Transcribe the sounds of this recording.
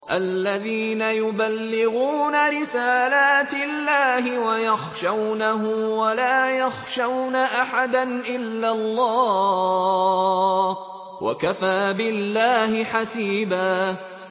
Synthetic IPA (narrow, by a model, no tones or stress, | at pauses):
ʔalːaðiːnajʊbalːɪɣuːnaɾɪsaːlaːt̪ɪlːaːhɪwajaxʃawnaɦʊmwalaːjaxʃawnaʔaħad̪anʔɪlːalˤːɑː | wʔa̰kafaːbɪlːaːhɪħasiːbaː